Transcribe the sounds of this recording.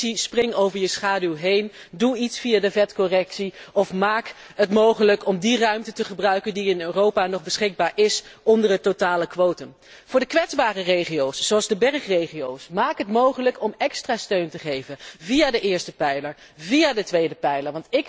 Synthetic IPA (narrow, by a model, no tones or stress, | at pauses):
sisprɪŋowvəɹjəsχaːdylˠɦejnduitsfijadəvɛtkɔrɛksiɔfmaːk | ətmowχələkɔmdirœɥmtətəχəbrœɥkəndiɪnøːrowpaːnɔχbəsχɪɡ̚baːɹɪsɔndəɹɦətotaːləkʋowtən | v̥ʊːɹdəkʋɛtzbaːrərejχijowszoɑlˠzdəbɛɹχrejχiowsmaːkɦətmowχələkɔmɛkstraːstøɥntəχejvənvijaːdəʔɪːɹstəpɛjləɹ | vijaːdətʋejdəpɛjləɹʋɑntɪk